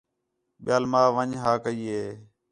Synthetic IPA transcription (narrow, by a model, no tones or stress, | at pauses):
ɓɪjaːlmaːʋəɲɦaːkəiːɦeː